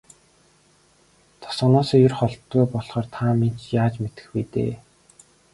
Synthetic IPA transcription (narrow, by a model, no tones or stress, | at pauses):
t̪ʰɔ̥sɞ̆nɔːsɔːjʊrχɔɮt̪ːujpɔɮχɔːrt̪ʰamen̥t͡ɕjaːt͡ɕmet̪ɘ̥̆xpit̪ḛː